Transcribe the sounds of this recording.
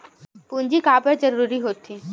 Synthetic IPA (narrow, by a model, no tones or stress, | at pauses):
pund͡ʑikapəɾd͡ʒəɾuɾiɦot̪ʰi